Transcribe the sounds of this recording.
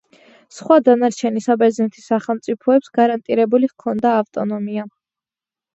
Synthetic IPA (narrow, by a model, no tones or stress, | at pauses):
sχwad̪anaɾt͡ʃʰɛnisabɛznɛt̪ʰi̥sːaχɛlˠmt̪sʼipʰɔɛpsɡaɾant̪ʼiɾɛbuliʁkʰɔnd̪aːft̪ʼɔnɔmia